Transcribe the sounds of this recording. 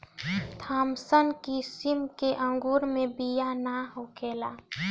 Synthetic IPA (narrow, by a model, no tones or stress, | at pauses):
t̪ʰaːmsənkisɪmkeʔə̃ŋɡuːɾmẽbijanaɦokeːlaː